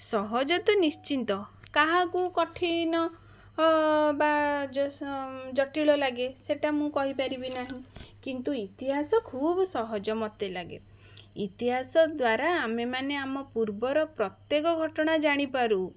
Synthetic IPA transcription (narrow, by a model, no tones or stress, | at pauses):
sɔɦɔd͡ʒɔt̪unist͡ʃint̪ɔ | kaɦãkukɔʈʰinɔ | bad͡ʒɔd͡ʒɔʈiɭɔlaɡeseʈamũkɔɦipaɾibinaɦĩkint̪uit̪iɦasɔkʰubɔsɔɦɔd͡ʒɔmɔt̪elaɡḛ | ḭt̪iɦasɔd̪waɾaːmemaneamɔpuɾbɔɾɔpɾɔt̪jekɔɡʱɔʈɔɽ̃ad͡ʒaɽ̃ipaɾu